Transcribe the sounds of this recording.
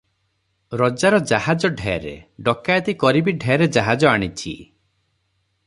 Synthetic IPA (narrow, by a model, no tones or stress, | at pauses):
ɾɔd͡ʒaɾɔd͡ʒahad͡ʒɔɖʱɛjaɾḛɖɔkajt̪ikɔɾibiɖʱɛjɾed͡ʒaɦad͡ʒɔaɽ̃it͡ʃʰḭ